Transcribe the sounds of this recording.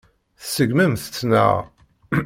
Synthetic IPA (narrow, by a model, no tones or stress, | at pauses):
θsəɡmæmθət͡sːnə̰ʁ